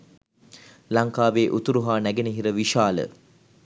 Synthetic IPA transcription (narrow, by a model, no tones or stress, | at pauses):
laŋkaːʋeːʔut̪uɾuɦaːnæɡeniɦiɾəʋiʃaːlə̰